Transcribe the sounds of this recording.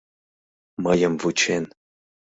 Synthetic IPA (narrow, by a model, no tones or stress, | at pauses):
mɐjəmvut͡ʃʰen